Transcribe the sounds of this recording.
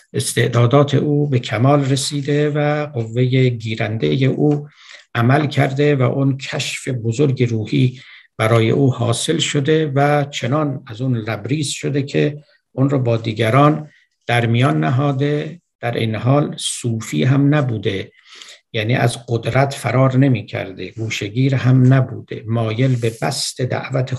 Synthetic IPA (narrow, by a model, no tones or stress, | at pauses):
ʔest̪e̞ʔd̪ɒːd̪ɒːt̪ʰe̞̰ʔuːbekʰæmɒːlresiːd̪e̞væɢovːe̞jeɡiːɾænd̪ejeʔuː | ʔæmælkʰæɾd̪evæ̰ʔonkʰæʃfebozoɾɡeɾuːhiːb̥æɾɒːjḛʔuːhɒːse̞lʃod̪e̞væt͡ʃʰe̞nɒːnæzuːnlæbɾiːzʃod̪e̞kʰe | ʔonɾɔːbɒːd̪iːɡæɾɒːn | d̪̥æɾmijɒːnːæɦɒːd̪e̞d̪̥æɾʔḛjneɦɒːlsuːfḭːɦæmnæbuːd̪e | jæːnḭːæzɡod̪ɾæt̪ʰfæɾɒːɾne̞miːcʰæ̰ɾd̪eɡuːʃeɡiːɾhæmnæbṵːd̪̥e̞̰mɒːje̞lbebæst̪ʰe̞d̪æ̰ʔvæt̪ʰe